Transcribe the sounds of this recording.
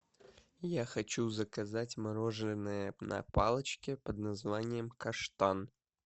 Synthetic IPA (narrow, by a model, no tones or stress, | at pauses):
jaxɐt͡ɕuzəkɐzatʲmɐɾoʐlʲɪnːɨjənɐ̰palˠət͡ɕkʲɪpəd̪nɐzvanʲɪjəmkɐʂt̪an